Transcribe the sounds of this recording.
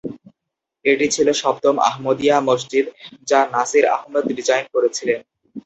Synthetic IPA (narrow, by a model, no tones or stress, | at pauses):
eʈit͡ɕʰiloʃɔb̚t̪oma̰ɦmod̪ijamos̬d͡ʑid̪d͡ʑanasiɾa̰ɦmed̪ɾid͡ʑajnkoɾet͡ɕʰilen